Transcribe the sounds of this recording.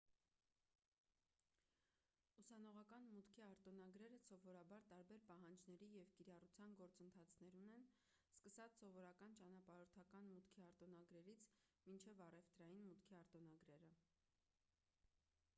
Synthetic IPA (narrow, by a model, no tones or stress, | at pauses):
usɑn̪ɔʁɑkɑnmut̪kʰiɑɾt̪ɔnɑɡɾɛɾəsɔvɔɾɑbɑɾt̪ɑɾbɛɾpɑɦɑnd͡ʒnɛɾijɛvkiɾɑrut͡sʰjɑnɡɔɾt͡sənt̪ʰɑt͡sʰnɛɾunɛn | skəsɑt͡sʰsɔvɔɾɑkɑnt͡ʃɑnɑpɑɾɔɾt̪ʰɑkɑnmut̪kʰiɑɾt̪ɔnɑɡɾɛɾit͡sʰ | mint͡ʃʰɛvɑrɛft̪ɾɑjinmut̪kʰiɑɾt̪ɔnɑɡɾɛɾə